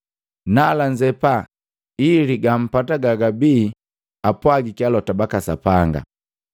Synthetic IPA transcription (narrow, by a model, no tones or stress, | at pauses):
nalaɲd͡ʒɛpa | iliɡam̩pataɡaɡabiː | apwaɡikialɔtabakasa̰paŋɡa̰